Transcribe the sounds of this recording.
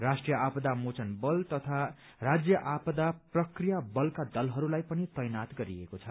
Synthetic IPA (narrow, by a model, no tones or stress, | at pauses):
rasʈrijʌʔapʌd̪amot͡sʌnbʌlt̪ʌt̪ʰa | rad͡zjʌʔapʌd̪aprʌkrijabʌlkad̪ʌlɦʌɾulajpʌnit̪ʌjnat̪ɡʌɾiekot͡sʰʌ